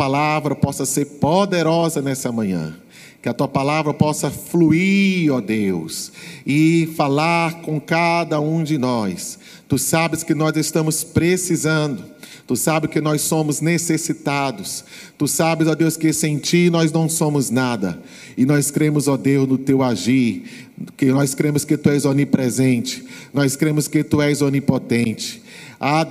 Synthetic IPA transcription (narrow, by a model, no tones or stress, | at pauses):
palavɾɐpɔsɐseɾpod̪eɾɔzɐnɛsɐmɐ̃ɲɐ̰̃ | kɪɐt̪uɐpalavɾɐpɔsɐfluiɾɾɔd̪ewsɪfalaɾkõkad̪ɐũd͡ʒɪnɔs | t̪usabɪskɪnɔzɪst̪ɐ̃mʊspɾesizɐ̃nd̪ʊt̪usabɪkɪnɔjsːõmʊznesesit̪ad̪ʊs | t̪usabɪzɔd̪ewskesẽt͡ʃinɔznɐ̃w̃sõmʊznad̪ɐ̰ | ɪnɔjskɾẽmʊzɔd̪ewznʊt̪ewaʒiɾ | kɪnɔskɾẽmʊskɪt̪uɛzonipɾɛzẽnt͡ʃɪ̥nɔjskɾẽmʊskɪt̪uɛzonipot̪ẽnt͡ʃɪ̥ | a